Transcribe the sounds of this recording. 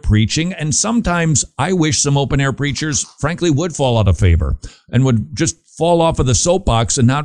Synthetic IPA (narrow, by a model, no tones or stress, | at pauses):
pʰɹ̥it͡ʃɪ̃ŋɨ̃nsʌ̃mtʰãɪ̃mzʔaɪwɪʃsʌ̃moʊpɨ̃ñɛɹpʰɹ̥it͡ʃə˞z̥fɹæ̃ŋkliwəd̥fɔlˠaʊɾʌv̥feɪvə̰˞ | ʔɨ̃nwəd̚d͡ʒʌst̚ | fɔlˠɔfʌðɨsoʊp̚b̥ɑksɨ̃nːə